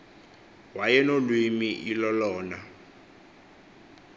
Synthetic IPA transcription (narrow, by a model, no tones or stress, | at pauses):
wajɛnolwimiʔilɔlɔːna